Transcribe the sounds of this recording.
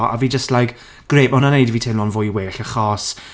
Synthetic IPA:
a̰viːd͡ʒəstlajk | ɡ̥reːpɔnanejdviːtʰɪmlɔnvʊjweːɬəχɔːs

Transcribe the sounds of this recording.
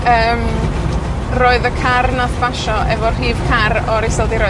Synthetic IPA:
əːm | roːɨðəkʰarnaθb̥aʃɔʔɛvɔr̥r̥iːv̥kʰarɔɾisəlˠdiɾo

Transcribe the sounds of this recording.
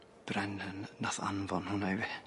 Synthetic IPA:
b̥rɛnənnaθa̰nvɔnhʊnajvi

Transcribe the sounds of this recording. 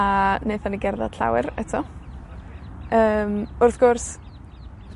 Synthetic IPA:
aneɨθaniɡɛrða̰d̥ɬa̰wɪɾɛtʰɔ | əːmʊrθɡ̥ʊrs

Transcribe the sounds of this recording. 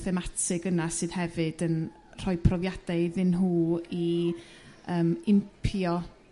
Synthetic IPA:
θɛmatʰɪɡənasɨːðhɛvɨdən | r̥ɔɨpʰrɔvjad̥aðɨnɦuːi | əːmɪmpʰjɔ

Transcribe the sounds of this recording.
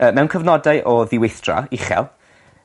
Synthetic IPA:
əːmɛwnkʰəvnɔdaɨʔɔðɪwɪθd̥ra̰iχɛ̰lˠ

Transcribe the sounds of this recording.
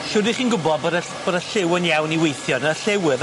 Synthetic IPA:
ʃʊdɪχiːnɡʊbɔðbədə | b̥odaɬɪwənjawniwejθjɔnəɬɛwɪð

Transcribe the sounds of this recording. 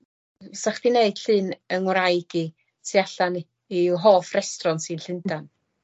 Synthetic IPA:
saχd̥ineɨd̥ɬɨːnəŋwɾajɡi | sʰiaɬan | iɦoːfrɛstrɔnsɨnɬɪndan

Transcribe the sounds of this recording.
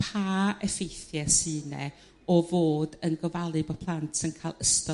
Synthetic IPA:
pʰaːɛfejθjɛsɨːnɛ̰ | ɔvoːdənɡəvalˠɨbɔpʰlˠantsɪnkʰaːlˠəstɔ

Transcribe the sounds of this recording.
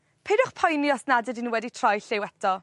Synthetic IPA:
pʰedʊχpʰɔjnjɔsnadədinwɛditʰr̥ɔjɬɪwɛtʰɔ

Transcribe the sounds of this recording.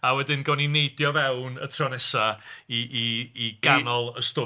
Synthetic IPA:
awɛdɪnɡɔninejdjɔvɛwnə̰tʰrɔnɛsaiʔːɡ̥anɔlˠəstʊ

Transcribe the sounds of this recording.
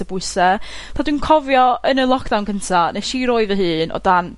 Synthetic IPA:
əbʊɨsətʰadwinkʰɔvjɔənəlˠɔkʰd̥awnkʰəntʰaneʃiɾoːɨvəɦɨːnʔɔ̰d̥an

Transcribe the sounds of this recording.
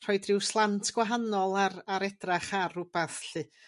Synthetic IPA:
r̥ɔɨdrɪwslˠantʰɡ̥waɦanɔlˠaraɾɛdraχarʊb̥aθɬɨ

